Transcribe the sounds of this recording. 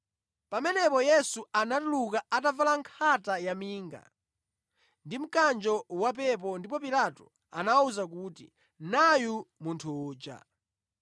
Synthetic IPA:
pamɛnɛpɔjɛsuanatulukaatavalaŋkʰatajamiːŋɡa̰ | ndim̩kand͡ʒɔwap̬ɛp̬ɔndipɔpilatɔ | a̰nauzak̬uːtḭ | najumuntʰuuːd͡ʒa̰

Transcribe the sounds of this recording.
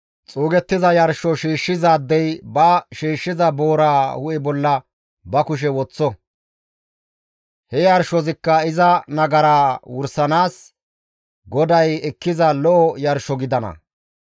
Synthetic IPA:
t͡sʼuːɡɛt̪ːɪzɐjɐɾʃːɔʃiːʃːɪzaːd̪ːɛjbɐʃiːʃːɪzɐboːɾaːhʊʔɛbɔlːɐ | bɐkʊʃ̬ɛwɔt͡sːɔ | hɛjɐɾʃɔzɪkːɐɪzɐnɐɡɐɾaːwʊɾsɐnaːs | ɡɔd̪ɐjɛkːɪzɐlɔʔɔjɐɾʃɔɡɪd̪ɐnɐ̰

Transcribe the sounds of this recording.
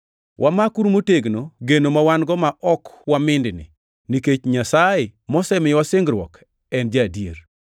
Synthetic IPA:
wʔamakuɾmoteɡnoɡenomawanɡɔmaʔɔkwamɪndnɪ̰ | niket͡ʃɲasaemɔsɛmɪwasɪŋɡɾwɔ̰k | ɛnd͡ʒadjeɾ

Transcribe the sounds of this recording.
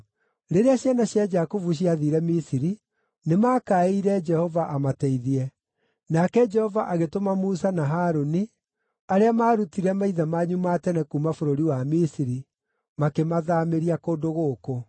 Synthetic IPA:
ɾeɾeaɕjanaɕjad͡ʒakovuɕ̬iaðiɾɛmisiɾi | nemaːkaeiɾɛd͡ʒɛhɔvaʔamatɛiðiɛ | nakɛd͡ʒɛhɔvaʔaɣetomamuːsanaɦaːɾoni | aɾeamaːɾutiɾɛmaiðamaɲumatɛnɛkumafoɾoɾiwamisiɾi | makemaðaːmeɾiakoːdoɣoːko

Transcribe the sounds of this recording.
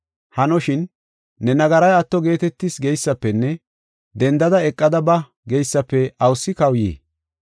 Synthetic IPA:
hɐnɔʃɪnː | ɛnɐɡɐɾɐjɐt̪ːɔɡe̞ːt̪ɛt̪ːɪsɡɛjsːɐpːɛnːɛ | d̪ɛnd̪ɐd̪ɐɛkʼːɐd̪ɐbɐ | ɡɛjsːɐpːɛɐwsːɪkɐwjḛː

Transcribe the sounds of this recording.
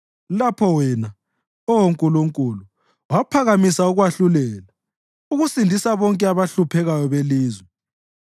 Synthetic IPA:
lapʰɔwɛna | ɔwoŋkʼuluŋkʼulu | wapʰaɣamisauɣwaɬulɛːla | uɣusindʱisaβɔŋkʼɛaβaɬupʰɛɣajɔβeliːzwɛ

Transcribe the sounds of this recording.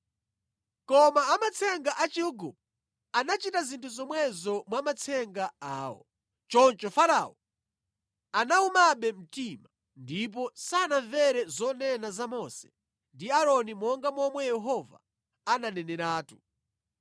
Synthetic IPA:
kɔmaːmat͡sʰɛŋɡaʔat͡ʃiuɡṵp | anat͡ʃitazintʰuzɔmwɛzɔmwamat͡sʰɛŋɡaaːwɔ̰ | t͡ʃɔnt͡ʃɔfaɾaɔ | anaumaɓɛm̩tima | ndip̬ɔsanaɱvɛɾɛzɔnɛnazamɔsɛ̥ | ndiaɾɔnimɔŋɡamɔmwɛjɛɦɔva̰ | ananɛnɛɾaːtu̥

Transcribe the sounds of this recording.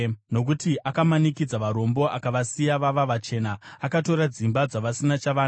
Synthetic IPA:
no̞k̬utiʔakamanikid͡zaʋaɾo̞mbo̞ʔakaʋasijaʋaʋaʋat͡ʃe̞ːnaːkato̞ɾad͡zimbad͡zaʋasinat͡ʃaʋaːn

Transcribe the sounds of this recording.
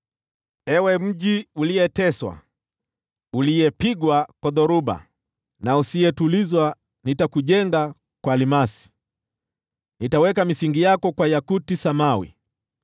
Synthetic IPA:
ɛwɛm̩ʄiuliɛtɛswa̰ | uliɛpiɡwakwaðɔɾuɓa̰ | nausiɛtulizwa | nitakuʄɛŋɡa | kwalimasi̥ | nitawɛkamisiŋɡijakɔkwajakutisamawḭ

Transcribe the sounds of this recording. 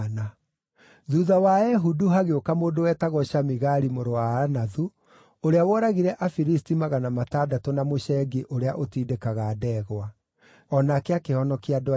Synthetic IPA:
na | ðuðawaɛɦuduɦaɣeokamoːdowɛːtaɣɔɕamiɣaɾimoɾowaanaðu | oɾeawɔɾaɣiɾɛʔafiɾistimaɣanamataːdatɔnamoɕɛɡeʔoɾeaʔotiːdekaɣaːdɛːɣwa | ɔnakeakehɔnɔkiadɔ

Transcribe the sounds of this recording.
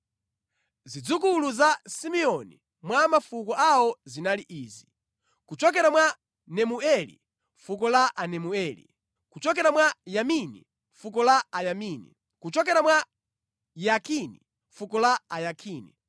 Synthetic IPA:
zid͡zukuluzasimiɔni | mwamafukɔʔawɔzinaliʔiːzi | kut͡ʃɔk̬ɛɾamwa | nɛmuɛlḭ | ɱfuk̬ɔlaʔanɛmuɛlḭ | kut͡ʃɔk̬ɛɾamwajaminḭ | ɱfuk̬ɔlaajaminḭ | kut͡ʃɔk̬ɛɾamwa | jakʰinḭ | fukɔlaajakʰiːnḭ

